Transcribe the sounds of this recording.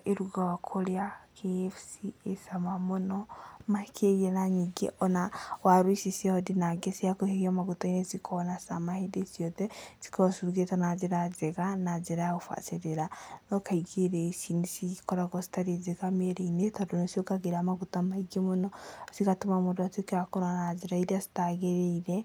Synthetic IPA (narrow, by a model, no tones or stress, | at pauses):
eɾuɡawakʰoɾeakʰefsiesamamonɔmakʰeiɛnaɲiɡḛʔɔnawaɾwisiseɔdinaɡɛsiakoheiamaɣutainesikʰɔnasamahedesjɔtɛsi̥kɔsuɾuɡetanad͡ʒeɾazeɣanad͡ʒeɾajaufa̰seɾeɾanɔkaiɡeɾɛsinisikɔɾaɡɔsi̥taɾezekameɾeinetadonɔsiɔkaɡeɾamaɡutamaiɡemɔnɔsikatumamodatikakɔɾanad͡ʒeɾaiɾiasi̥taɡɛɾɛiɾɛ